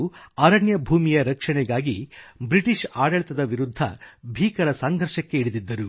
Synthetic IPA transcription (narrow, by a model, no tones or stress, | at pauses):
ɐɾɐɳjɐbʱuːmijɐɾɐkʂɐɳɛɡaːɡibɾiʈiʂaːɽɐɭit̪ɐd̪ɐʋiɾud̪ʱːɐ̰bʱiːkɐɾɐsɐŋɡʱɐɾʂɐkːe̞iɽid̪id̪ːɐɾu